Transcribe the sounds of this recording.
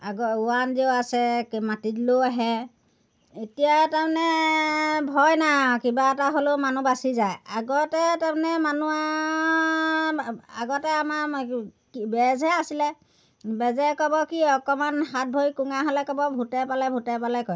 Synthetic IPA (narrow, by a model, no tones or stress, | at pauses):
aɡɔʊanzioasɛkmatitloaɦɛ | etijatamnɛ | bʱɔjnakibaɛtaɦolomanubasizajaɡɔtɛtamnɛmanua | aɡɔtɛama | ibɛzʱɛasilɛ | bɛzɛkɔbɔkiɔkɔmanhat̚bʱojkuŋaɦɔlɛkɔbɔbʱutɛpalɛbʱutɛpalɛkɔj